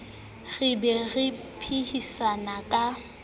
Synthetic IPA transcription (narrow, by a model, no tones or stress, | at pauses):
ɣ̥ɪbɛɣɪ | pʰihisanakʼa